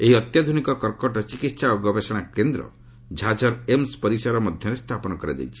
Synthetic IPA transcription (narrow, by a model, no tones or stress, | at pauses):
eɦiɔt̪jad̪ʱunikɔkɔɾkɔʈɔt͡ʃikit̪saɔɡɔbesɔɽ̃akend̪ɾɔ̰ | d͡ʒʱad͡ʒɔɾemspɔɾisɔɾɔmɔd̪ʱjɔɾest̪ʰapɔnɔkɔɾad͡ʒ̪ḛjt͡ʃʰi̥